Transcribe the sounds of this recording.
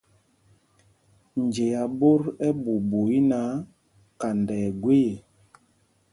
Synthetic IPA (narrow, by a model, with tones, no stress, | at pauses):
n˨d͡ʒe˨ja˨bo˦ɾɛ˦bu˨bo˨i˦na˨˦ | ka˨ndɛː˨ɡwe˦je˨